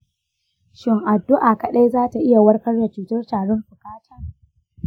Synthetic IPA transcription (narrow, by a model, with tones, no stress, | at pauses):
ʃɪ˦ŋʔa˨dːʊ˦ʔaː˨kɐ˨ɗa˦jzaː˦ta˨ʔɪ˦ja˨wɐ˦rkɐ˦rda˨t͡ʃuː˨tɐ˦rtaː˨ɽɔ˦mɸʊ˨kaː˦tʰaː˦